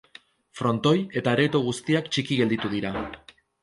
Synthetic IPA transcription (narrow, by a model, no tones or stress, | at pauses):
fɾo̞nt̪o̞je̞t̪aeɾe̞t̪oɣ̞ust̪iakt͡ʃikiɣe̞ld̪it̪uð̞iɾa